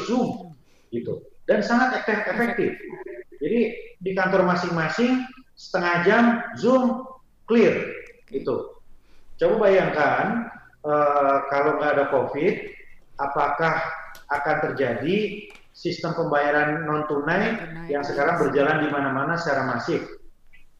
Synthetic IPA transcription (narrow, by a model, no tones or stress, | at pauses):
zʊm | ɡit̪udansaŋat̪ɛefɛk̚t̪ɪfd͡ʒadidikant̪ɔrmasɪŋmasɪŋsə̥t̪əŋahd͡ʒamzʊm | klɪrɡit̪u | t͡ʃababajaŋkan | əkalowŋɡaːdakofɪt̪̚apakahakant̪ərd͡ʒadi | sist̪əmpəmbajaɾanːɔnt̪unajjaŋsəkaɾaŋbərd͡ʒalandimanamanasət͡ʃaɾamasɪŋ